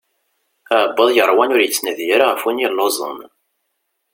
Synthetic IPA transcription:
æʕbːəðˤjəɾˤwænʊɾjət͡sːnæðjəɾaʁəfwinilːozˤə̰n

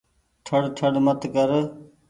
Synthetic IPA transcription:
ʈʰəɽʈʰəɽmət̪kəɾ

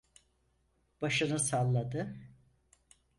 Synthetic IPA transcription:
b̥aʃɯnɯsalˠːad̪ɯ

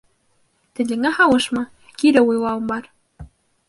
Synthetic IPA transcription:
t̪ɘ̆lɘ̆ŋæhɑwɤ̆ʃmɑ | kiɾɘujlˠɑwɤ̆mbɑɾ

